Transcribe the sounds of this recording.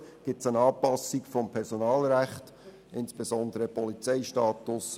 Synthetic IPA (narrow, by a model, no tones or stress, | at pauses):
ɡ̥ɪtsənɑːpɑsikfɔmpʰɛɾsɔnɑːlɾæχt | ʔɪnsb̥ezɔnd̪əɾəpɔlit͡sɛɪʃtɑːt̪ʊs